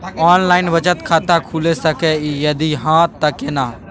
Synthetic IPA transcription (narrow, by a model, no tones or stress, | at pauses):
ɔːnlaːɪnʋət͡ʃət̪kʰaːt̪akʰuːlesɐkejɐd̪iɦãːt̪ːɐkenaː